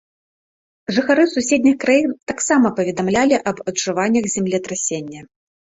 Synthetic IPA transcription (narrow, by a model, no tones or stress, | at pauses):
ʐɨxaɾɨsusʲed̪ʲnʲixkɾajint̪aksamɐpɐvʲɛd̪amlʲalʲiʔɐbɐdʐɨvanʲːɐxzʲɛmlʲit̪ɾasʲenʲːɐ